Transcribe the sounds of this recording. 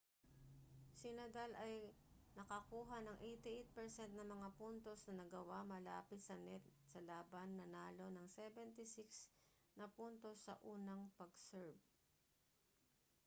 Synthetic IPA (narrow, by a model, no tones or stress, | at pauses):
sɪnɐd̪alɐj | nɐkɐkuːɦɐnɐŋʔejt̪ɪʔejt̪̚pɛɹsɛnt̪̚nɐŋmɐŋapunt̪o̞snɐnɐɡɐwamɐla̰ːpɪt̪̚sɐnɛt̪̚sɐlaːbɐnːɐnaːlo̞nɐŋsɛbɛnt̪ɪsɪks | nɐpunt̪o̞sɐʔuːnɐŋpɐɡsɛɹb̚